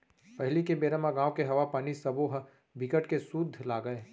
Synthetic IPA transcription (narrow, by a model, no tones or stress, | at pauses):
pɐɦɪlikebeːɾəmaɡãːʋkeɦɐʋapaːnisɐboɦ | bʱɪkəʈkesuːd̪ʱlaːɡəeː